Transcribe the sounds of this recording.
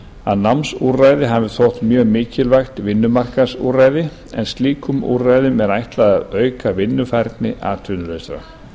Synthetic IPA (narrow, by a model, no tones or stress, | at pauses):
aðnamsurajðɪɦavɪθowht̪mjœːɣmɪːcɪlvajxt̪vɪnːʏmar̥kasṵraːjðɪ | ɛ̰nst̪liːkʏmṵrajðʏmɛɾajht̪laðaðœːɥkavɪnːʏfajɾt̪nɪʔaːt̪ʰʏnʏlœjst̪ɾa̰